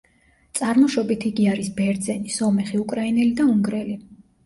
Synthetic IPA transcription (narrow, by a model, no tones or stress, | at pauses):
t̪sʼaɾmɔʃɔbit̪ʰiɡiaɾisbɛɾd̪zɛnisɔmɛχiukʼɾainɛlid̪auŋɡɾɛli